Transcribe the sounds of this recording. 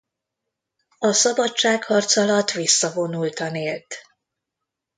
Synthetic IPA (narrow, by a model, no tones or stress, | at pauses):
ɒsɒbɒt͡ʃt͡ʃaːkhɒrt̪sɒlɒt̪ʋisːɒvo̞nult̪ɒneːlt̪